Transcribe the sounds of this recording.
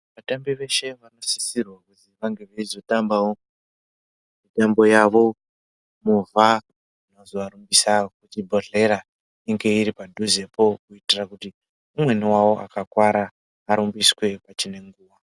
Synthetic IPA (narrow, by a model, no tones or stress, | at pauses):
ʋatambiʋe̞ʃe̞ʋano̞si̥sirwakutiʋaŋɡe̞ʋeizo̞tambawo | mitambo̞jaʋo̞ | muvʱa | unozoaɾumbisakut͡ʃibʱoɮe̞ɾa | iŋɡe̞iɾipadʱuze̞po̞kuitirakuti | umwe̞niwawo̞ʔa̰kakwaɾaː | ɾumbiswe̞pat͡ʃine̞ŋɡuːwa